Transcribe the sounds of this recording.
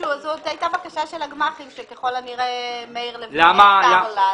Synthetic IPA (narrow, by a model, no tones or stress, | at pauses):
uazot̪ajtabakaʃaʃelaɡmaχimʃekeχo̞laniʁeemeiʁlevlamalala